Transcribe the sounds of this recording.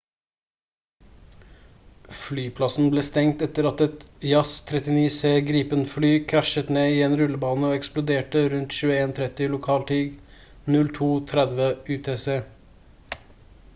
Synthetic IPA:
flyːpʰlɑsn̩bleːst̪ɛŋt̪ɛt̪əɾɑt̪ɛt̪jɑst̪ʰɾɛt̪ɪniːseːɡɾiːpənflyːkʰɾæʃət̪neːiːeːnɾʉləbɑːnəoːɛksplʊd̪eːʈəɾʉnt̪ʃʉːəeːnt̪ʰɾɛt̪ɪlʊkʰɑːlt̪ʰiːɡ | nʉlt̪ʰuːt̪ʰɾɛd̪ʋəʉːt̪ʰeːseː

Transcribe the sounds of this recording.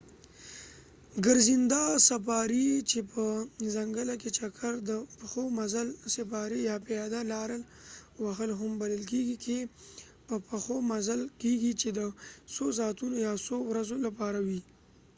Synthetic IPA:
ɡəɾzind̪asapɑɾit͡ʃepəzaŋɡəlaket͡ʃakʰaɾd̪əpaxomazalsɪpɑɾijɑpɪjɑd̪alɑɾəl | waxəlɦʊmbaləlkeɡikʰe | pəpaxomazalkeɡit͡ʃed̪əsos̬ɑt̪unojɑsowɾazolapɑɾawi

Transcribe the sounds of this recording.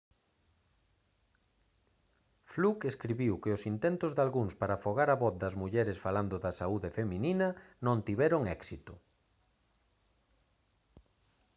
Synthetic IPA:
flukeskɾiβiwkɪʊsint̪ɛnt̪ʊzðalɣuŋspaɾafoɣaɾɐβɔθd̪ɐzmuʎɛɾɪsfaland̪ʊðɐsauðefemĩninɐnõnt̪iβɛɾoŋɛksit̪ʊ

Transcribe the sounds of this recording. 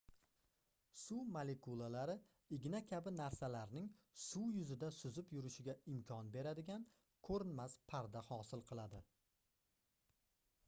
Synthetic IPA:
sumalekulˠalaɾɪ | ɪɡʲɪnakʲʰabɪnaɾsalaɾnɪŋsujʊzɪd̪asʊzɪpjʊɾɪʃɪɡʲaɪmkʰʲɒnbe̞ɾad̪ɪɡʲan | kʰɵɾɪnmaspʰaɾd̪ahɒsɪlˠqʰɨlˠad̪ɪ

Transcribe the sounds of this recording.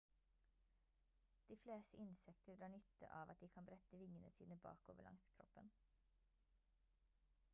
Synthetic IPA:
d̪̥iːfleːst̪əʔɪnsɛkt̪əɖ̪ɾɑːɳʏt̪ə̰ʔɑːʋɑt̪̚d̪iːkʰɑmbɾɛt̪əʋɪŋənəsiːnəbɑ̰ːko̰ːʋəɭʔɑ̰ŋskʰɾɔ̰pən

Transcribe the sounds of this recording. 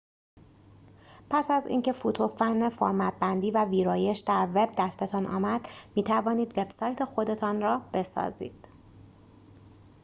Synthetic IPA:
pʰæsæzḭːŋcʰe̞fut̪ʰofænːefoːɾmæt̪̚bænd̪iːvæviːɾɒːje̞ʃd̪æɾve̞b̚d̪æst̪e̞t̪ʰɒnʔɒ̰ːmæd̪̥miːt̪ʰævɒːniːd̪ve̞b̥sɒːjt̪ʰe̞xo̞d̪e̞t̪ʰɒːnrɒːb̥e̞sɒ̰ːzḭːd̪̥

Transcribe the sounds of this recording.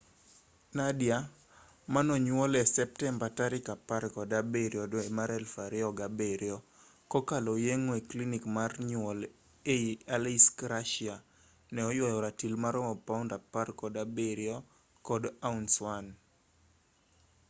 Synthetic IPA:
nadja | manɔɲwɔlɛsɛp̚tɛmbataɾɪkapaɾkɔdabeɾjɔdoemaɾɛlfaɾɪɔɡabeɾjɔ | kɔkalɔjeŋoeklinikmarɲwɔl | eialiskɾaʃia | nɛɔjwɔjɔɾatilmaɾɔmɔpaundaparkɔdabeɾjɔ | kɔdaunswan

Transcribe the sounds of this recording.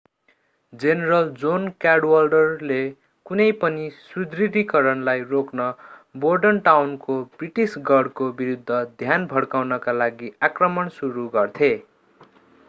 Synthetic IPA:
d͡zeneɾʌld͡zonkaɽwalɖʌrle | kunʌjpʌnisrud̪riɾikʌɾʌnlajroknʌborɖʌnʈawnkobriʈisɡʌɽkobiɾud̪ʱːʌd̪ʱjanbʱʌɽkawnʌkalaɡiakrʌmʌnsuɾuɡʌrt̪ʰe

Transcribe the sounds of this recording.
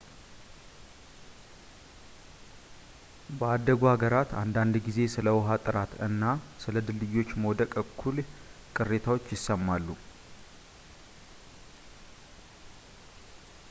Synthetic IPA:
bəad̪ːəɡuhaɡəɾat̪ʰand̪and̪ɡize̞sɨləwʊɦat̪ʼɨɾat̪ɨ̰nːasɨləd̪ɨlːɨjːo̞t͡ʃːməwd̪əkʼəkʰːul | kʼɨre̞t̪ʰawot͡ʃːjɪsːəmːalːu

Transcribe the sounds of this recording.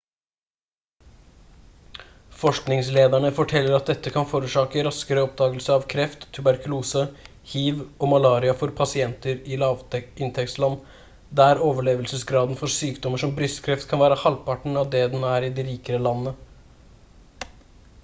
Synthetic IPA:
fɔʂknɪŋsleːd̪æɳəfɔʈʰɛlːəɾɑt̪̚d̪ɛt̪ːəkʰɑnfoːɾʉːʂɑːkəɾɑskəɾəɔp̚d̪ɑːɡəlsəɾɑʋkʰɾɛft̪ʰːʉbæɾkʉluːsə | hiːʋɔmɑlɑːɾɪɑfɔɾpʰɑsɪɛnt̪əɾɪlɑɪnt̪ʰɛkt̪slɑnː | d̪æɾoːʋəɭeːʋəlsəsɡɾɑːd̪nfɔɾsyːkd̪ɔməʂɔmbɾʏst̪kʰɾɛft̪kʰɑnʋæːɾəhɑlpʰɑʈɳ̩ɑd̪ɛd̪ɛnæɾɪd̪iɾiːkəɾəlɑnːə

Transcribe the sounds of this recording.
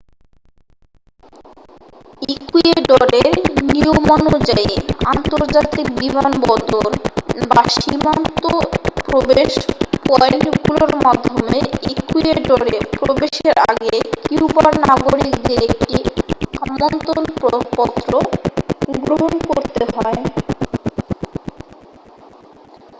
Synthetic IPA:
ikueɖɔɾeɾniomɔnud͡ʑaeant̪oɾd͡ʑat̪ik̚bimanbɔd̪onbaʃimant̪opɾobeʃpɔnɡuloɾmad̪ʱːomeekujeʈoɾepɾobeʃeɾa̰ɡekiupaɾnaɡoɾikd̪eɾek̚ʈiamont̪ɾonppɔt̪ːɾo | ɡɾoɦonkoɾt̪eɦɔe

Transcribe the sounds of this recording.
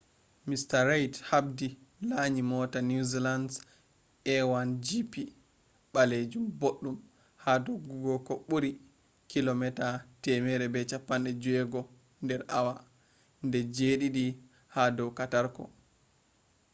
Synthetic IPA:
mistaɾajthabdilaɲimɔtanuzilands | ʔɛwand͡ʒipi | ɓaled͡ʒumboɗːum | hadɔɡuɡɔkɔɓuɾi | kilɔmɛtatɛmɛɾɛbɛt͡ʃapːanɗɛd͡ʒuɛɡɔ | ndɛɾawa | ndɛd͡ʒeɗiɗi | hadɔwkataɾkɔ̰

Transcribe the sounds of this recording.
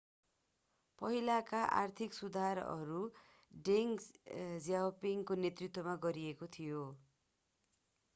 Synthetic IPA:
pʌɦilakaʔa̰rt̪ʰiksud̪ʱaɾʌ̰ɾu | ɖeŋzjawpiŋkonet̪rit̪wʌmaɡʌɾiekot̪ʰijo

